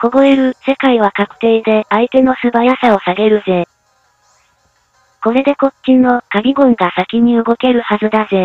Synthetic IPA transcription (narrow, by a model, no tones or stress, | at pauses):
ko̞ɡo̞eɾɯ̟se̞kaiβ̞akakɯ̟̥t̪e̞ːd̪e̞ait̪e̞no̞sɨbajasao̞saɡe̞ɾɯ̟ze | ko̞ɾe̞d̪e̞ko̞t͡ɕːinːo̞kaɡʲiɡõŋɡasakʲiɲ̟iɯ̟ɡo̞ke̞ɾɯ̟hazɨd̪aze̞